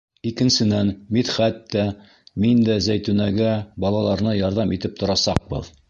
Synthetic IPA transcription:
ikɘ̆nsɘ̆nænmit̪χæt̪ːæ | mind̪æzæjt̪ʉnæɡæbɒlˠɑlˠɑɾnɤjɒɾðɑmit̪ɘp̚t̪ŏɾɑsɑq̚bɤ̰ð

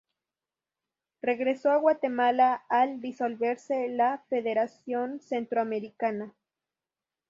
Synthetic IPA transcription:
re̞ɣɾesoaɣwat̪e̞malaːld̪iso̞lβe̞ɾselafe̞ðe̞ɾasjo̞nse̞nt̪ɾoame̞ɾikana

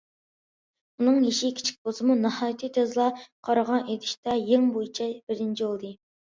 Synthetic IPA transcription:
unɨŋjeʃikʲʰi̥t͡ʃʰi̥k̚ʲbozɨmunɑhɑjt̪ʰɨt̪ʰøzlˠɑqʰɑɾɑʁɑnʔed̪ɪʃt̪ɑjeŋbojit͡ʃʰɛbɪɾɪnt͡ʃʰiolˠd̪ɨ

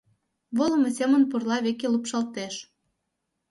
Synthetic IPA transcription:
βolɤ̆mɤ̆sʲemə̆npurlɑβekelupʃɑlt̪eʃ

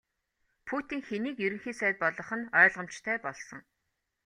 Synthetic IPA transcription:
pʰut̪iːŋxeniːkjɵɾɘ̆ŋxiːsæːt̪̚pɔɮɞ̆χə̆nœːɮʁə̆m̥t͡ɕt̪ʰæːpɔɮsɞ̆ŋ

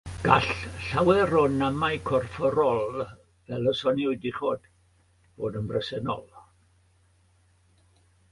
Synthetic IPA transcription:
ɡ̥aɬɬawɛɾɔnamajkʰɔrfɔɾɔlˠ | vɛlˠəsɔniʊɨdiχoːd̥ | b̥oːdənbrəsɛnɔ̰lˠ

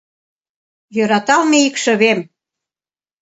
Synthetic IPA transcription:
jøɾɑt̪ɑlmeikʃə̆βem

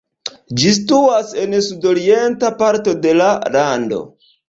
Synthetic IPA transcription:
d͡ʒistuase̞nsudo̞ɾie̞ntapaɾto̞de̞lalando̞̰

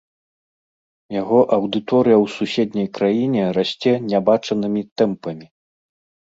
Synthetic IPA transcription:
jaɣɔʔɐwd̪ɨt̪ɔɾɨjɐwsusʲɛd̪ʲnʲɐjkɾajinʲɛrasʲt͡sʲɛnʲabat͡ʂɐnɨmʲit̪ɛmpɐmʲi

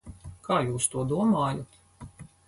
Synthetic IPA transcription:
kaːjuːst̪uɔd̪uɔmaːjat̪

